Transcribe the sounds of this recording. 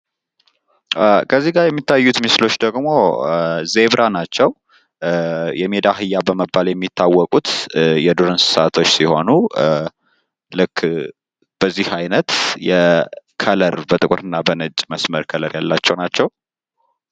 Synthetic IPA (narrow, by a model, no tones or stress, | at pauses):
kʰəzːiɡaɾjɛmːit̪ːajːut̪mɨslo̞t͡ʃːd̪əɡmo̞ze̞βɾʔanat͡ʃːɛw | jɛmed̪aɦɨjːabəməbːaljɛmːit̪ʰːawːɔkʼut̪jɛd̪oɾɨnsɨ̥sat̪ʰo̞t͡ʃːsiho̞nu | lɨkː | b̥əzːihajnət̪jɛkʰələɾbət̪ʼɨkʼuɾɨnːabənɨt͡ʃʼməsməɾkʰələɾjalːat͡ʃːɛwnat͡ʃːɛw